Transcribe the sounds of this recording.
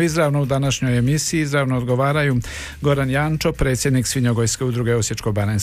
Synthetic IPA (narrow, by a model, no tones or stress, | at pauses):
izɾaʋno̞ud̪anaʃɲo̞jemisiːizɾaʋnoːd̪ɡo̞ʋaːɾaju | ɡo̞ɾanjaːnt͡ʃo̞pɾe̞ːt̪sʲje̞d̪niksʋiɲoɡojske̞ud̪ɾuɡeosjet͡ʃko̞banen